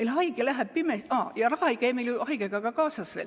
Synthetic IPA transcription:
meilhɑiɡ̥elæɦæb̥̚pimesɑːjɑrɑhɑejkæjmeljuʔɑiɡ̥eɡ̥ɑɡɑkɑːsɑsʋḛl

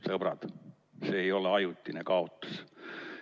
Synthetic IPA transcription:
sɤb̥rɑ̰d̪̥ | se̞ːjo̞leɑjut̪ːˑinekɑot̪ːˑu̥s

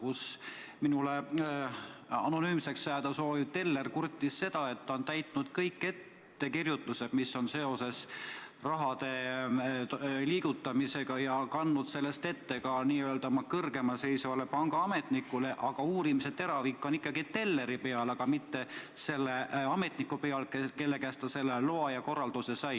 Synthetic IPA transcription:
kus | minule | ɑ̰no̞nyːmse̞ksːæːd̪̥ɑso̞ːviv̥t̪e̞lːe̞rkurt̪ːˑisːe̞d̪̥ɑe̞t̪ːont̪æjt̪ˑnud̪̥kɤjkːe̞t̪ːe̞kirjut̪ːˑuse̞d̪̥misːo̞nse̞o̞se̞s | rɑɦɑd̪̥e̞ | liːɡ̥ut̪ːˑɑmise̞ɡ̥ɑjɑkɑnːud̪̥se̞lːe̞st̪e̞t̪ːe̞ɡɑniːøːlt̪ɑmɑkɤrɡ̥e̞mɑse̞jsvɑle̞pɑŋɡ̥ɑɑme̞t̪ˑnikːˑule̞ʔɑɡ̥ɑuːɾimise̞t̪ːe̞ɾɑvikˑːo̞nikˑːɑɡ̥it̪e̞lːe̞ɾipe̞ɑlɑɡ̥ɑmit̪ːe̞se̞lːeɑme̞t̪ˑnikːupe̞ɑlkeke̞lːe̞kæːst̪ɑse̞lːeloɑjɑko̞rɑld̪̥use̞sɑj

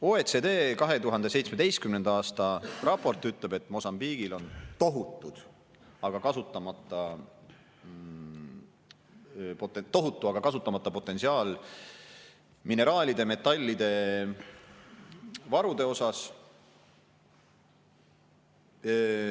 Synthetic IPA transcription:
oːet̪sed̪e̞ːkɑɦe̞t̪uɦɑnd̪e̞se̞jt̪sme̞d̪̥e̞jst̪kymned̪̥ɑɑːst̪ɑrɑpːo̞rt̪ˑyt̪ˑle̞be̞t̪ːˑmo̞sɑmbiːɡ̥ilo̞nt̪o̞ɦut̪ːˑud̪̥ | ɑɡ̥ɑkɑsut̪ːˑɑmɑt̪ːˑɑ | pot̪ːt̪o̞ɦut̪ːˑuɑɡ̥ɑkɑsut̪ːˑɑmɑt̪ːˑɑpo̞t̪ːˑe̞nsiɑːl | mine̞ɾɑːlʲid̪e̞me̞t̪ːˑɑlʲːid̪̥e̞ | vɑɾud̪̥e̞o̞sɑs

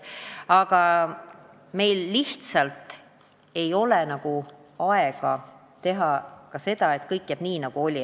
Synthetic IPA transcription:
ɑɡ̥ɑ | me̞jlːiht̪sɑlt̪ | e̞jo̞lɛnɑɡ̥u | ɑeɡ̥ɑ | t̪e̞ɦɑkɑse̞d̪̥ɑe̞t̪kɤjkːˑjæːb̥niːnɑɡ̥uo̞lʲi

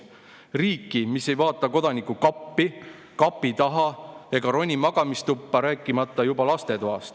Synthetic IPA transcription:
riːkːˑimise̞jvɑːt̪ːˑɑko̞d̪̥ɑnikːukɑpːi | kɑpːit̪ɑɦɑe̞ɡ̥ɑɾo̞nʲːimɑɡ̥ɑmist̪upːɑɾæːkːˑimɑt̪ːˑɑjubɑlɑst̪e̞t̪oɦɑ̰st̪

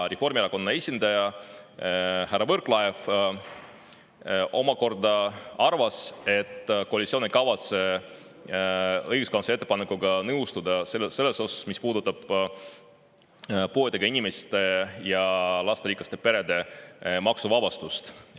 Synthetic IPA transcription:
refo̞rmieɾɑko̞nːɑe̞sʲind̪̥ɑjɑ | hæɾrːɑvɤrklɑjef | o̞̰mɑko̞rd̪ɑɑrvɑse̞t̪ːˑkoɑlʲit̪sionekɑvɑt̪se̞ | ɤjɡuskɑnsee̞t̪ːˑe̞pɑnekːˑuɡɑnɤwst̪ud̪̥ɑsese̞lːe̞so̞sɑ̥smispuːd̪ut̪ːˑɑb̥ | puet̪d̪eɡ̥ɑinime̞st̪ejɑlɑst̪eɾiːklɑst̪e̞pe̞ɾe̞d̪e̞mɑksuvɑbɑst̪ust̪

